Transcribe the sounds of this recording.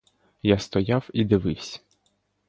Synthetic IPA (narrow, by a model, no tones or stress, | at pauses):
jast̪ɔjawid̪ɪʋɪwsʲɐ̥